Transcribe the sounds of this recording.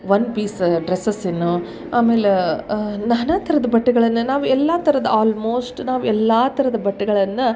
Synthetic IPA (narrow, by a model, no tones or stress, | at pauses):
ʋɐnpiːsɖɾesɐsinːu | aːmeːle | nɐnɐt̪ʰɐɾɐd̪ɐbɐʈːɐɡɐɭɐnːɐnaːʋuɛlːaːt̪ʰɐɾɐd̪ɐaːlmoːsʈnaːʋuɛlːaːt̪ɐɾɐd̪ɐbɐʈːɐɡɐɭɐnːɐ